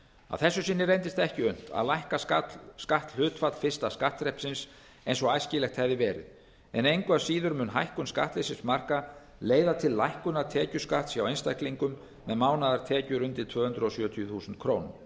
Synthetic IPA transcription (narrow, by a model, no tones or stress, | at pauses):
a̰ðθɛsːʏsɪnːɪɾejnt̪ɪst̪ɛhcɪʏn̥t̪a̰ðlajhkaaskaht̪lhʏːt̪fat̪l̥fɪst̪askaht̪ɾɛhpsɪns | ejnsɔajscɪlɛxt̪hɛvðɪvɛːɾɪ̰ð | ɛnejŋkvasiːðʏɾmʏnɦa̰jhkʏnska̰ht̪lɪsɪnsmar̥ka | leːjðat̪ʰɪlːajhkʏnat̪ʰɛːcʏskaht̪sjawejnst̪ajhkliŋkʏmː | ɛðmaːwnaðaɾ̥t̪ʰɛːcʏɾʏnt̪ɪlt̪ʰvœːhʏnt̪ɾɔsjœːt̪ʰjʏθuːsʏnt̪kʰɾoːwnʏm